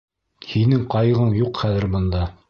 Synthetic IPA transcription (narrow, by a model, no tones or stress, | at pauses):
hinɘŋqɑjʁɤɴjuqχæðɘ̆ɾbɤ̆nd̪ɑ